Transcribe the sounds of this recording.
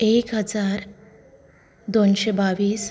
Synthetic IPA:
ekɦəd͡zaɾ | d̪onɕebaʋiːs

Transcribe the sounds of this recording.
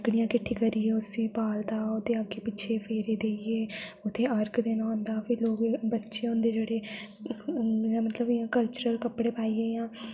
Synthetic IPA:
ɡɽijãːkɪʈʰːiːkəɾieːʊsiːpaːld̪aːʊt̪ːeːəɡeːpɪtːʃʰeːpʰeːɾeːd̪eːieːʊt̪ʰːeːəɾkd̪eːnããːnd̪aːpʰɪɾloːɡbətːʃeːõnd̪eːd͡ʒeːɽeː | aːmət̪ləbɪãːkəlt͡ʃəɾəlkəpːɽeːpaːiːeːãː

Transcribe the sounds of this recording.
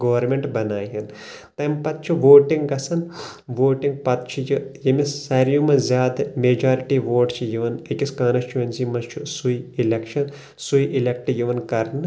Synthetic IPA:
ɡɐːʋɐɾmʲeɳʈbɐnaːɦɐnt̪ɐmpɐt̪̚t͡ʃʰuʋoːʈiŋɡɡɐsɐnʋoːʈiŋɡ̚pɐt̪̚t͡ʃʰujɨjɐmissɐɾjumɐzʲjaːd̪meːd͡ʒaːɾiʈiːʋoːʈt͡ʃʰijiʋɐnɐkʲiskaːnɐst͡ʃuʋɐnsimɐst͡ʃʰusujilekʃɐn | sujʔilʲek̚ʈjiʋɐnkɐɾnɨ

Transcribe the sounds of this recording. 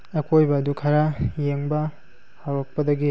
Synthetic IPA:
ɐkʰojbɐːdukʰɐɾajeŋbɐ | hawɾɐk̚pɐdɐɡi

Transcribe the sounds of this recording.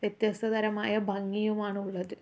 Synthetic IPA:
ʋjɐt̪jɐst̪ɐd̪ɐɾɐmaːjɐbʱɐŋːijumaːɳɨuɭːɐðɨ

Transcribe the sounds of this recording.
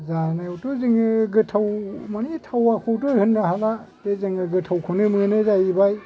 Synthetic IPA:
zanajutɔziŋɯɡɯtʰawmanitʰawakʰɔwtojhɯnːaɦalatezɯŋɯɡɯtʰawkʰonɯmɯnɯzajibaj

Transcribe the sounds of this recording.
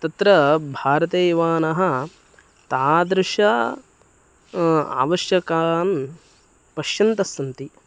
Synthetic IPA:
t̪ɐt̪ɾɐbʱaːɾɐt̪eːʋaːnɐɦɐ̆ | t̪aːd̪ɾɪʂɐ | a̰ːʋɐʃjɐkaːn | pɐʃjɐnt̪ɐsɐnt̪i

